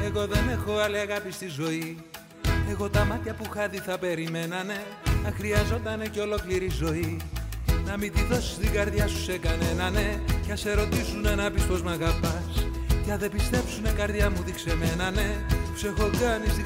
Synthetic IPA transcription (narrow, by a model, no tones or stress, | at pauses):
e̞ɣo̞ðe̞ne̞xo̞ɐliɐɣɐpist̪izo̞i | e̞ɣo̞t̪ɐmɐt̪çɐpuxɐt̪iθɐpe̞ɾime̞nɐne̞ | nɐxɾiɐzo̞t̪ɐne̞ceo̞lo̞kliɾizo̞i | nɐmit̪iðo̞si̥st̪iɡɐɾðʝɐsu̥se̞kɐne̞nɐne̞cɐse̞ɾo̞t̪isunenɐpispo̞zmɐɣɐpɐs | cɐðe̞pist̪e̞psune̞kɐɾðʝɐmut̪ikse̞me̞nɐne̞u̥sexo̞ɡɐnisi